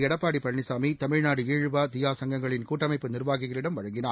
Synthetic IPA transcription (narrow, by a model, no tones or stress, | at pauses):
ɛɽɐpːaːɽipɐnɪsaːmit̪ɐmɪɻnaːɽɯeːɻɯʋaːt̪ɪjaːsɐŋɡɐŋɡɐɭɪnkuːʈːɐmɐɪpːɯnɪrʋaːɣɯɣɐɭɪɽɐmʋɐɻɐŋɡɪnaː